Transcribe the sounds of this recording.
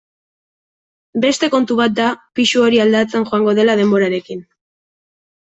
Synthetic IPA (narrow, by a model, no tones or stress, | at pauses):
be̞st̪e̞ko̞nt̪uβat̪̚d̪apisuo̞ɾiald̪at͡senʝoaŋɡo̞ð̞e̞laðe̞mbo̞ɾaɾe̞kin